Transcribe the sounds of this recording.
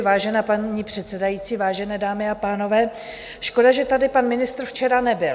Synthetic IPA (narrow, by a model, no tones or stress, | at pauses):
vaːʒɛnaːpaɲiːpr̝̥ɛt̪sɛdajitt͡siːvaːʒɛnɛːdaːmɪapaːno̞vɛː | ʃko̞daʒɛt̪adɪpanmɪnɪst̪ɾft͡ʃɛɾanɛbɪl